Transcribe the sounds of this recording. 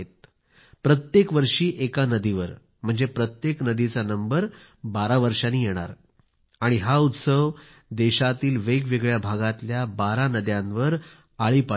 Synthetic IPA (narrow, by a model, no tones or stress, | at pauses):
et̪̚ | pɾət̪jekʋəɾʂiːʔekanəd̪iʋəɾ | m̤əɳd͡zepɾət̪jeknəd̪it͡sanəmbəɾ | baɾaʋəɾʂaniːjeɽ̃a̰ɾ | aɽ̃iɦaut̪səʋ | d̪eɕat̪iːlʋeɡʋeɡɭjabʱaɡat̪ljabaɾanəd̪jãnʋəɾ | aɭiːpa